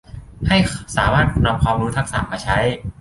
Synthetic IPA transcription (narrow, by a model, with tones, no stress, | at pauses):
ha˥˩jsaː˩˦maː˥˩t̪̚na˧p̚kʰwaː˧mɾuː˦˥t̪ʰa˦˥k̚sa̰˨˩maː˧t͡ɕʰa˦˥j